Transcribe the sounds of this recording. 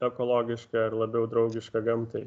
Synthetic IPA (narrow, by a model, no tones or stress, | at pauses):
ɛkolˠoːɡʲɪʃkɐɪɾlˠɐbʲɛʊd̪ɾɐʊɡʲɪʃkɐɡɐmt̪ɐɪ